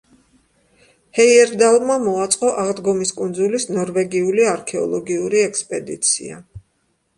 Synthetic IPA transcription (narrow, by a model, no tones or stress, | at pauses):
hɛiɛɾd̪alˠmamɔat̪sʼqʼɔʔaʁd̪ɡɔmiskʼund̪zulisnɔɾvɛɡiuliaɾkʰɛɔ̰lˠɔɡiuɾiɛkspʼɛd̪ḭt̪sʰḭa̰